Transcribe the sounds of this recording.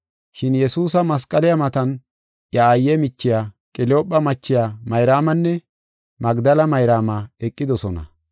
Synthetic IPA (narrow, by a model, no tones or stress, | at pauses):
ʃɪnjɛsuːs̬ɐmɐs̬kʼːɐlɪjɐmɐt̪ɐn | jɐːjːɛmɪt͡ʃːɪjaːkʼɪloːpʼːɐmɐt͡ʃːɪjaːmɐjɾaːmɐnːɛ | mɐɡd̪ɐlɐmɐjɾaːmaɛkʼːɪd̪ɔsɔnɐ̰